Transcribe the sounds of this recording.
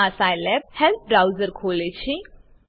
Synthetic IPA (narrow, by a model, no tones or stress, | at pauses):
asajlɛp̚hɛlp̚ɖɾawzəɾkʰoːlet͡ɕʰi